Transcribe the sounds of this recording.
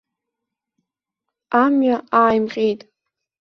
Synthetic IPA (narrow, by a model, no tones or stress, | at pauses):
amɥaʔaːjmqʲʼejtʼ